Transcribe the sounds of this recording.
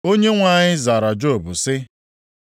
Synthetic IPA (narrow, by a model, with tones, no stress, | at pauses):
o˦ɲe˦ŋʷa˨˦˨ɲɪ˦za˨ɾa˨d͡ʒo˦˨bʊ˨sɪ˦